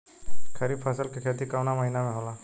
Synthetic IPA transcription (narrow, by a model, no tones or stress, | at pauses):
kʰəɾiːbpʰəsəlkekʰet̪ikawnaməɦinamẽɦola